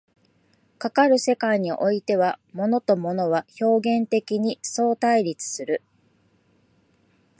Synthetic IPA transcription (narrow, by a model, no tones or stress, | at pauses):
kakaɾɯ̟se̞kaiɲ̟iʔo̞it̪e̞β̞amo̞no̞t̪o̞mo̞no̞β̞aço̞ːɡẽ̞nt̪e̞kʲiɲ̟iso̞ːt̪aiɾʲit͡sɨ̥sɨɾɯ̟